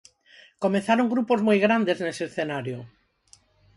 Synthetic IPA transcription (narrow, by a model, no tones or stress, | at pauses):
komeθaɾoŋɡɾupozmojɣɾand̪ezneseːsθenaɾjʊ